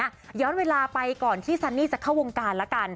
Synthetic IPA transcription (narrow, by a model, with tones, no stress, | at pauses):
jɔː˦˥nweː˧laː˧pa˧jkɔː˨˩nt̪ʰiː˥˩sa˧˥nːiː˥˩t͡ɕa˨˩kʰa˥˩wo˧ŋkaː˧nlɛ˦˥ka˧n